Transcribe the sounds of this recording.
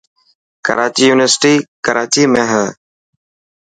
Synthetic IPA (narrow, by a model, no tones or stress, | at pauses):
kə̰ɾaːt͡ʃiːjuːnɪʋəɾsɪ̥ʈiːkəɾaːt͡ʃiːmẽːɦəː